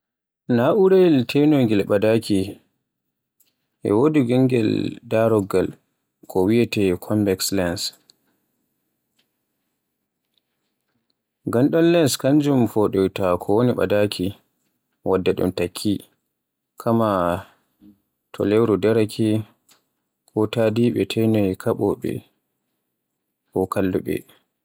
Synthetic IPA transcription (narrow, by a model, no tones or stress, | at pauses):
naʔuɾɛltʰɛnɔŋɡɛlɓadaki | ʔɛ̰wodiɡɛŋɡɛ̰ldaɾɔɡːal | kʰɔwijɛtɛkʰɔmbɛkslɛns | ɡanɗɔnlɛnskaɲd͡ʒumfɔɗɔjtakʰɔwoniɓa̰dakʰi | wadːaɗɔ̰mtakʰːi | kʰama | tʰɔ̰lɛwɾɔdɛɾakʰɛ | kʰɔtadiɓɛtʰɛnɔjkʰaɓɔɓɛ̰ | kɔkalːuɓɛ̰